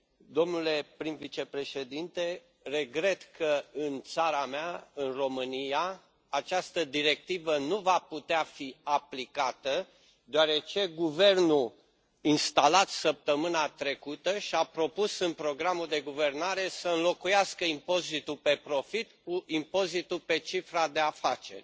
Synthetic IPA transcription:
d̪o̞mnule̞pɾimvit͡ʃe̞pɾe̞ʃe̞d̪int̪e̞ | re̞ɡɾe̞t̪kʰəɨnt̪saɾameaɨnro̞mɨnijaː | t͡ʃast̪əd̪iɾe̞k̚t̪ivənuvaput̪eafiaplikat̪ə | d̪oaɾe̞t͡ʃe̞ɡuve̞rnu | inst̪alat̪səp̚t̪əmɨnat̪ɾe̞kut̪əʃiapɾo̞pusɨnpɾo̞ɡɾamuld̪e̞ɡuve̞rnaɾe̞səɨnlo̞kujaskəimpo̞zit̪upe̞pɾo̞fit̪kuʔimpo̞zit̪upe̞t͡ʃifɾad̪e̞afat͡ʃe̞̰rʲ

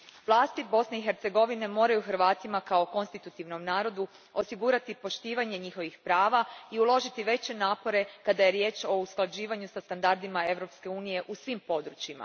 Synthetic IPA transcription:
ʋlˠaːst̪ibo̞sne̞ixe̞ɾt̪se̞ɡo̞ʋine̞mo̞ːɾajuxɾʋaːt̪imakao̞ko̞nst̪it̪ut̪iʋno̞mnaːɾo̞d̪u | o̞siɡuːɾat̪ipo̞ʃt̪iːʋaɲe̞ɲixo̞ʋixpɾaːʋaiulˠo̞ʒit̪iʋe̞t͡ɕe̞naːpo̞ɾe̞kad̪aje̞ɾje̞ːt͡ʃo̞usklˠad͡ʑiːʋaɲusast̪and̪aɾd̪imae̞ʋɾo̞pske̞uːnije̞ʔusʋimpo̞d̪ɾut͡ɕima̰

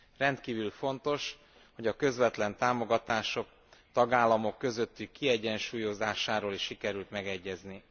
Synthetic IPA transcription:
rɛnt̪kiːvylfo̞nt̪o̞ʃ | ho̞ɟɒkø̞zʋɛt̪lɛnt̪aːmo̞ɡɒt̪aːʃo̞k̚ | t̪ɒɡaːlːɒmo̞kːø̞zø̞t̪ːykːiɛɟːɛnʃuːjo̞zaːʃaːɾoːliʃːikɛɾylt̪mɛɡɛɟːɛzni

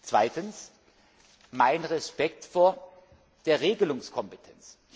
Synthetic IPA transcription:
t͡sv̥a̰ɪtəns | maɪnʁɛspɛktfoːɐ | d̥eːɐʁeːɡəlʊŋskʰɔmpetʰɛnt͡s

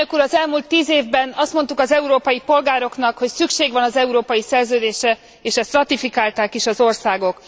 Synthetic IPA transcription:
økuːɾɒzɛlmuːlt̪ːiːzeːvbɛnɒst̪mo̞nt̪ukɒzɛuɾoːpɒjipo̞lɡaːɾo̞kn̪ɒkho̞csykʃeːɡʋɒnɒzɛuɾoːpɒjisɛrzøːd̪eːʃɛ | eːʃɛst̪rɒt̪ifikaːlt̪aːkiʃɒzo̞rsaːɡo̞k

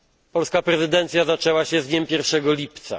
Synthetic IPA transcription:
pɔlskapɾɛzɘd̪ɛnt̪sʲjazat͡ʂɛwaɕɛzɲɛmpʲjɛɾfʂɛɡɔlʲipt̪sa̰

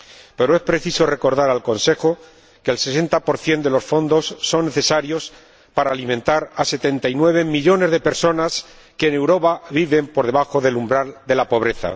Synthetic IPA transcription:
pe̞ɾoe̞spɾe̞θiso̞re̞ko̞ɾðaɾalko̞nse̞xo | kelse̞se̞nt̪apo̞ɾθje̞nd̪e̞lo̞sfo̞nd̪o̞sːo̞nːe̞θe̞saɾjos | paɾaːlimẽ̞nt̪aɾase̞t̪e̞nt̪ajnwe̞βe̞miʎo̞ne̞zðe̞pe̞ɾso̞nas | ke̞ːne̞wɾo̞βaβiβe̞mpo̞ɾðe̞βaxo̞ðe̞lumbɾald̪e̞lapo̞β̞ɾe̞θa̰

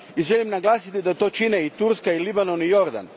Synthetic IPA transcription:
iʒelimnaɡlˠaːsit̪id̪at̪o̞ːt͡ʃineit̪uɾskailibano̞nijo̞ɾd̪a̰n

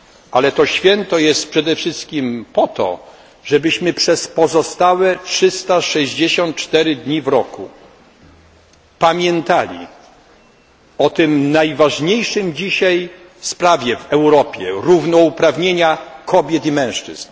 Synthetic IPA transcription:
ʔalɛt̪ɔɕfʲjɛnt̪ɔjɛst̪̚pʂɛd̪ɛfʂɘst̪̚kʲimpɔt̪ɔ̰ | ʐɛbɘɕmɘpʂɛspɔzɔst̪awɛtʂɘst̪aʂɛʑd͡ʑeɕɔnt̪̚t͡ʂt̪ɛɾɘd̪ɲivɾɔkṵ | pamʲjɛnt̪alʲḭ | ɔt̪ɪmnajvaʐɲejʂɘmd͡ʑiɕaj | fspɾavʲjɛvɛwɾɔpʲjɛ̰ɾuvnɔupɾavɲeɲakɔbʲjɛt̪imɛ̃w̃ʂt͡ʂɘ̰z̥n

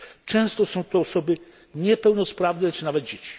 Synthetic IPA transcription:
t͡ʂɛ̃w̃st̪ɔsɔ̃w̃t̪ɔːsɔbɘ | ɲɛpɛwnɔspɾavnɛt͡ʂɘnavɛd̪̚d͡ʑet͡ɕi̥

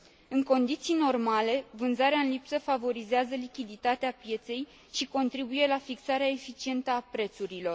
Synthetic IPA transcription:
ɨŋko̞nd̪it̪sijno̞rmale̞vɨnzaɾeaɨnlipsəfavo̞ɾizeazəlikʲid̪it̪at̪eapje̞t̪se̞j | ʃiko̞nt̪ɾibuje̞lafiksaɾeaefit͡ʃie̞nt̪əapɾe̞t̪suɾilo̞r

